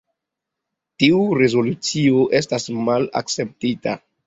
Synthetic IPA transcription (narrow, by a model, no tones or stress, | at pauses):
tiuɾe̞zo̞lut͡sio̞ʔe̞stasmala̰k̚t͡se̞p̚tita̰